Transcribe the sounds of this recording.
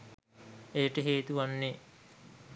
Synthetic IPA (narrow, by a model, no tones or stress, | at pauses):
ejəʈəɦeːt̪uʋanːe